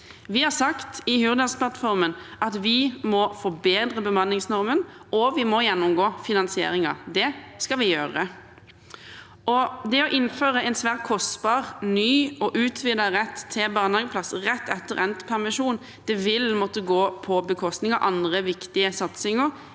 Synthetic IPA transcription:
ʋɪhɑsɑkt̪ɪhyːʁd̪ɑspʰlɑt̪fɔʁmənʔɑt̪ʋɪmɔfɔbeːd̪ʁəbəmɑnːɪŋsnɔʁmən | ɔʋɪmɔjɛnːʊmɡoːfɪnɑnsɪḛːɾɪŋɑ̰d̪ɛskɑʋɪjøːʁə | ɔd̪ɛɔʔɪnføːʁəɛnsʋæːʁt̪̚kʰɔst̪bɑːʁnyːɔʔʉːt̪ʰʋɪd̪ɑʁɛt̪ʰːɪlbɑːʁnɑɡəpʰlɑsʁɛt̪ːɛt̪ːəʁɛnt̪ə̥pʰæʁmɪʃuːn | d̪̥ɛʋɪlmɔt̪ːəɡoːpʰɔbəkʰɔst̪nɪŋɑʔɑnd̪ʁəʋɪkt̪ɪəsɑt̪sɪŋəʁ

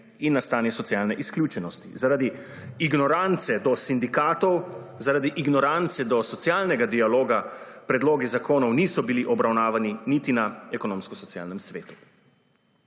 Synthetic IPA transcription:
inːast̪aːnjɛsɔt̪sijaːlnɛʔiskljuːt͡ʃɛnɔst̪ḭzaɾad̪i | iɡnɔɾant̪sɛd̪ɔsind̪ikaːt̪ɔw | zaɾad̪iʔiɡnɔɾant̪sɛd̪ɔsɔt̪sjalnɛɡad̪ialoːɡa | pɾɛd̪loːɡizakoːnɔwniːsɔbiliʔɔbɾawnaːʋaninit̪inaɛkɔnõːmskɔsɔt̪ja̰lnɛmsʋeːt̪u̥

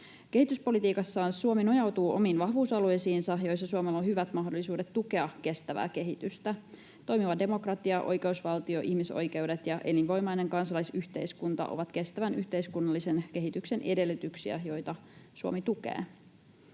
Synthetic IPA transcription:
ke̞hit̪yspo̞lit̪iːkɑsːɑːnsuomino̞jɑwt̪uːʔo̞miːnʋɑɦʋuːsɑlujsiːnsɑjo̞jsːɑsuomelːonhyʋæt̪mɑɦdo̞lːisuːde̞t̪tːuke̞ɑkːe̞st̪æʋæ̰ːke̞ɦit̪yst̪æ | t̪o̞jmiʋɑde̞mo̞krɑt̪iɑʔo̞̰jke̞usʋɑlt̪io̞ʔihmiso̞̰jke̞wdet̪jɑʔe̞linʋo̞jmɑjne̞ŋkɑnsɑlɑjsyht̪e̞̰jskunt̪ɑ̰ʔo̰ʋɑt̪ke̞st̪æʋænʔyçt̪e̞jskunːɑlːise̞nke̞ɦit̪ykse̞nʔe̞̰de̞lːyt̪yksiæ̰jo̞jt̪ɑsuomit̪ukḛː

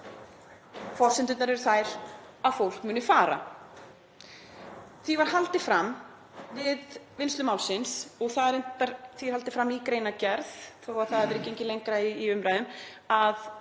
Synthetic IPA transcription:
fɔr̥sɪnt̪ʏnt̪naɾɛɾθajɾ̥ | aðfowl̥kmʏːnʏfaːɾa̰ | θivaɾ̥ɦalt̪ɪfɾam | vɪðvɪnst̪ʏmaːwlsɪnsɔɣθaðɾejnt̪aɾθi̥halt̪ɪfɾamːikɾeːjnacɛɾðθowaθaðavɪɾɛcːeɲcɪlejŋkɾaiːʏmɾajðʏm | að

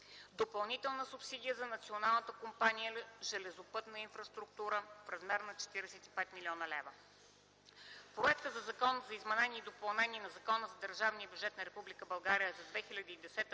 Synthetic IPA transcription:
d̪opɐlˠnit̪ɛlˠnəsupsid̪ijəzɐnɐt̪sionalˠnət̪əkompanijəʒɛlɛzʊpɤt̪nəinfɾɐst̪ɾukt̪uɾəfɾɐzmɛɾnɐt͡ʃɛ̥t̪iɾɛsɛt̪i̥pɛt̪miliɔnəlɛvə | pɾoɛkt̪əzɐzɐkɔnəzɐizmɐnɛniːd̪opɐlˠnɛniɛnɐzɐkɔnəzɐd̪əɾʒavniəbʲjud͡ʒɛt̪nɐɾɛpublʲikəbɐlˠɡaɾijəzɐd̪vɛxilʲɐd̪əid̪ɛsɛt̪ə

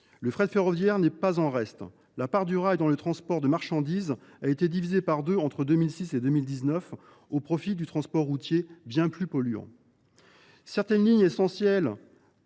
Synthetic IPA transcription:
ləfχɛd̪feʁɔvjɛʁnɛpazɑ̃ʁɛst̪ | lapaʁd̪yʁajd̪ɑ̃lət̪χɑ̃spɔʁd̪əmaʁʃɑ̃d̪izaet̪ed̪ivizepaʁd̪øɑ̃t̪χəd̪ømilsised̪ømild̪iznœf | opχɔfid̪yt̪χɑ̃spɔʁːut̪jebjɛ̃plypɔlyɑ̰̃ | sɛʁt̪ɛnliɲesɑ̃sjɛl

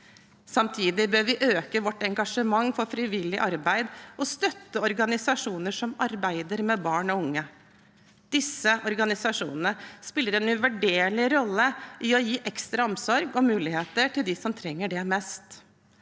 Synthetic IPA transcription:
sɑmt̪ʰiːd̪ɪbøːɾʋɪʔøːkəʋɔʈːɛŋɡɑʂəmɑŋːfɔɾfɾɪʋɪlːɪʔɑɾbæɪd̪ɔst̪œt̪ːəɔɾɡɑnɪsɑʂuːnəʂɔmɑɾbæɪd̪əɾmɛbɑːɳɔʊŋːə | d̪̥ɪsːəʔɔɾɡɑnɪsɑʂṵːnənəspɪlːəɾɛnʉʋæɖeːɭɪɾɔlːəʔɪɔjiːʔɛkst̪ɾɑɔmsɔɾɡɔmʉːlɪheːt̪əʈɪld̪ɪsɔmt̪ʰɾɛŋːəɖɛmɛst̪

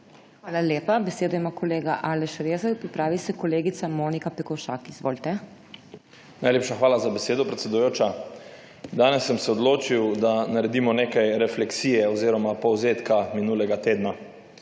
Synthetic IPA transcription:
xʋaːlaleːpabɛseːd̪ɔjimaːkʰɔleːɡaʔaːlɛʃɾeːzɛkpɾipɾaːʋisɛkɔleːɡit̪samoːnikapɛkɔwʃaːkizʋo̰ːlt̪ɛ | najleːpʃaxʋaːlazabɛseːd̪ɔpɾɛt̪sʲɛd̪ujoːt͡ʃa | d̪aːnɛsːɛmsɛɔd̪loːt͡ʃiwd̪anaɾɛd̪iːmɔneːkajɾɛflɛksiːjɛɔziːɾɔmapɔwzeːt̪kaminuːlɛɡat̪eːd̪na

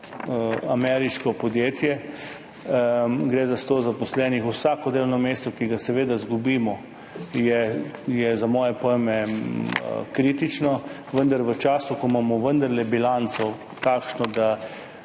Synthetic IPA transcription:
amɛɾiʃkɔpɔd̪jeːt̪jɛ | ɡɾeːzast̪oːzapɔslɛnixusaːkɔd̪eːlɔwnɔmeːst̪ɔkiɡasɛʋeːd̪azɡubiːmɔ | jɛjɛzamɔːjɛpɔjmɛ | kɾiːt̪it͡ʃnɔ | ʋənd̪aɾʋət͡ʃaːsukɔmamɔʋənd̪ɐɾlɛbilant̪sɔ | t̪aːkʃnɔd̪a

